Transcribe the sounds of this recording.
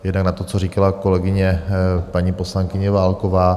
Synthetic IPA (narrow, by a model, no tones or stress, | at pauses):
jɛdnaknat̪o̞t͡soriːkalako̞lɛɡɪɲɛpaɲiːpo̞slaŋkɪɲɛvaːlkovaː